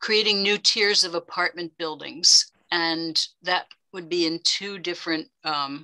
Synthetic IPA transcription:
kʰɹ̥ieɪɾɪ̃ŋnʉtʰɪɹzʌvəpʰɑɹt̚mɨ̃nb̥ɪlˠdɪ̰̃ŋz̥ | ɨ̃nðɨt̚wɨd̚biɨ̃ntʰʉdɪfɹɨ̃nt̚

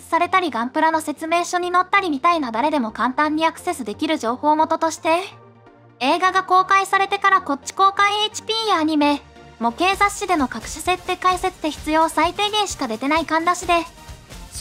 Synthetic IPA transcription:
saɾe̞t̪aɾʲiɡãmpɯ̟ɾano̞se̞t͡sɨme̞ːɕo̞ɲ̟ino̞t̪ːaɾʲimʲit̪ainad̪aɾe̞d̪e̞mo̞kãnt̪ãɲ̟ːiakɯ̥se̞sɨd̪e̞kʲiɾɯ̟ʑo̞ːho̞ːmot̪o̞t̪o̞ɕi̥t̪e̞ | e̞ːɡaɡako̞ːkaisaɾe̞t̪e̞kaɾako̞t͡ɕːi̥ko̞ːkãet͡ɕi̥pʲiːjaaɲ̟ime̞ | mo̞ke̞ːzaɕid̪e̞mo̞kakɯ̟̥ɕise̞t̪ːe̞kaise̞t͡sɨ̥t̪e̞çi̥t͡sɨjo̞ːsait̪e̞ːɡẽ̞ɰ̃ɕi̥kad̪e̞t̪e̞naikãnd̪aɕid̪e̞

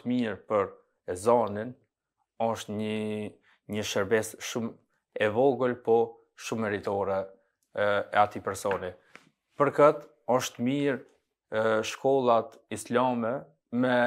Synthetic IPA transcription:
miɾpəɾ | zɔnin | ɔʃt̪ɲə | ɲəʃəɾbɛsʃum | ɛvɔɡəlpɔ | ʃumɛɾit̪ɔɾɛ | ɛat̪ipɛɾsɔni | pəɾkət̪ | ɔʃt̪miɾ | ʃkɔlˠat̪islamɛ | mɛ

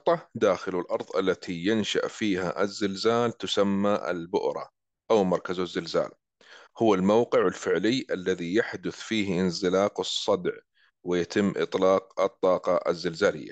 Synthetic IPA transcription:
t̪ˤɑd̪aːxɪlɪlʔɑɾˤðˤʔalːat̪ʰijanʃa̰ʔfiːha̰ʔɪzːɪlzaːlt̪ʊsamːaʔɪ̰lbʊ̰ʔɾˤɑ̰ | ʔawmɑɾˤkazazːɪlza̰ːl | hʊwalmawqɨʕɪlfɪʕlɪjːʔalːaðijaħd̪ʊθfiːhɪnzɪlaːqɨsˤːɑd̪ʕ | wɪjat̪ɪmːʔɨ̰t̪ˤlɑːqɨt̪ˤːɑːqɑʔɪ̰zːɪlzaːlɪ̰jːa̰

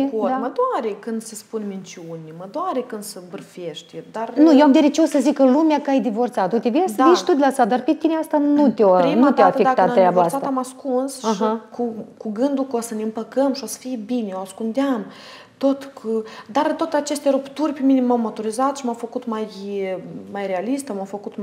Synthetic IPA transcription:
kot̪məd̪oaɾekɨnd̪səspunmint͡ʃiunʲməd̪oaɾekɨnd̪səbɨrfeʃt̪ʲd̪arnujewamd̪eɾet͡ʃeosəzikəlumeakəajd̪ivo̞rt̪sat̪ut̪evejasaviʃt̪ud̪lasad̪arpet̪ineast̪anut̪eoinut̪eaafek̪at̪at̪ːəjabasat̪amaskunsaɦakukuɡɨnd̪ulkosəneɨmpəkəmʃio̞sə̥fijebineoaskund̪eam | t̪ot̪kʰud̪art̪oot̪eat͡ʃe̞st̪eɾupt̪urʲpeminemawmot̪oɾizat̪ʃimawfəkut̪maj | majrealist̪əmawfəkut̪

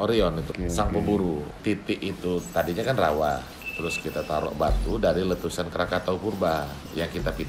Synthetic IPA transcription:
oɾiɔnit̪usaŋpəbuɾut̪it̪ɪʔit̪ut̪adiɲakanrawa | t̪əɾʊskit̪at̪aɾɔ̰ʔbat̪udaɾilət̪usankəɾakat̪aukurba | jaŋkit̪apid

